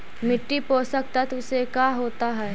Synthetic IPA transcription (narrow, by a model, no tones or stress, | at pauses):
mɪʈːipoːsək̚t̪ət̪ʊsekaːɦoːt̪aɦɛː